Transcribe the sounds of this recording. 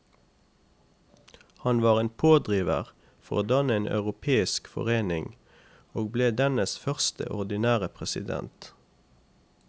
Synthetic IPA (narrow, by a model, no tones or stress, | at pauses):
hɑnʋɑːʁeːnpʰoːd̪ʁiːʋə̰ʁ | fɔʁoːd̪ɑnəeːnʔɑ̰ʉʁʊpʰeːɪskfɔ̰ʁeːnɪŋ | oːɡ̚bleːd̪ɛnəsfœʁst̪ʰə̰ʔɔʁd̪ɪnæːʁəpʰʁɛsɪ̰d̪ɛ̰nt̪